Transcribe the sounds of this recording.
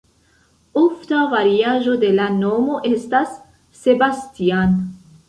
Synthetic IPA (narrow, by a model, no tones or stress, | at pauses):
oftavaɾiaʒo̞de̞lanomo̞ʔe̞stasː | e̞bastian